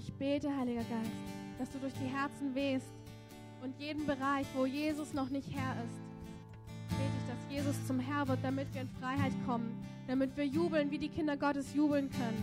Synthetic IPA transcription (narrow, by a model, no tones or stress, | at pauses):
ʔɪçb̥eːtəhaɪlɪɡɐɡaɪstd̥asd̥uːdʊɐçd̥iːɦɛɐt͡sn̩veːst | ʔʊntjeːdn̩bəʁaɪçv̥oːjeːzʊsnɔχnɪçthɛɐɪst | b̥eːtəɪçd̥asjeːzʊst͡sʊmɦɛɐvɪɐt̚d̥amɪtv̥iːɐɪnfʁ̥aɪhaɪtkʰɔmənd̥amɪtv̥iːɐjuːbl̩nviːdiːkʰɪndɐɡɔtəsjuːbl̩nkʰœnən